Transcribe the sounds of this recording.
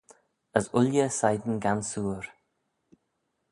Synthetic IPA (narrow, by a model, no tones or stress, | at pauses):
əzʊljəsajd̪ən̩ɡansuːɾ